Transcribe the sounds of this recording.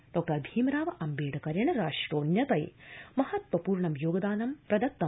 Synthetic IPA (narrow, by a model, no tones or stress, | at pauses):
ɖɔːk̚ʈɐɾbʱiːmɾaːʋɐʔɐmbeːɽɐkɐɾjɐɳɐɾaːʂʈɾoːnjɐt̪ɐjmɐhɐt̪ʋɐpuːɾɳɐmjoːɡɐd̪aːnɐmpɾɐd̪ɐt̪ːɐ